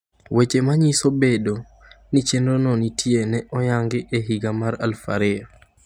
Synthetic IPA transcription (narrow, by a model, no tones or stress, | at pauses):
wet͡ʃemaɲisobedo | nit͡ʃendonɔnitʰienɛʔɔjaŋɡɪʔeɦiɡamaɾalfa̰ɾɪ